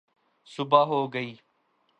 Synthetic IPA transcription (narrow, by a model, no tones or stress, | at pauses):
sʊbaːɦoːɡəiː